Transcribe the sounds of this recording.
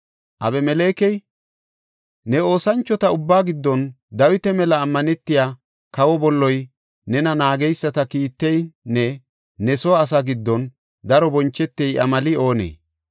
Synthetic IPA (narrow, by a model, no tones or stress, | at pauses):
ʔɐbɛmɛle̞ːkɛj | nɛo̞ːsɐnt͡ʃːɔt̪ɐʊbːaːɡɪd̪ːɔn | d̪ɐwɪt̪ɛmɛlɐːmːɐnɛt̪ːɪjaː | kɐwɔbɔlːɔj | nɛnɐnaːɡɛjsːɐt̪ɐkiːt̪ːɛjnɛ | nɛsɔːs̬aɡɪd̪ːɔn | d̪ɐɾɔbɔnt͡ʃːɛt̪ːɛjʔɐmɐlɪo̞ːnḛː